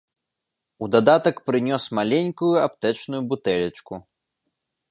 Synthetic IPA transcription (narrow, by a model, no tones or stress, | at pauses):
ud̪ad̪at̪ɐkpɾɨnʲɔsmalʲenʲkujuap̚t̪ɛt͡ʂnujubut̪ɛlʲɐt͡ʂku